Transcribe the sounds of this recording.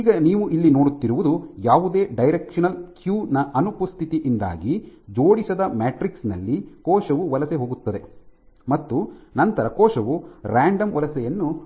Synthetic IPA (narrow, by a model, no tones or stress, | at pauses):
iːɡɐniːʋuʔilːino̞ːɽut̪ːiɾuʋud̪ujaːʋud̪e̞ːɖɐjɾekʂɐnɐlkjuːnɐʔɐnupust̪ʰit̪iʔind̪a̰ːɡid͡ʒoːɽisɐd̪ɐmaːʈɾiksnɐlːikɔːʂɐʋuʋɐlɐseɦo̞ːɡut̪ːɐd̪e̞ | mɐt̪ːunɐnt̪ɐɾɐkɔːʃɐʋuɾaːɳɖɐmʋɐlɐsɛjɐnːu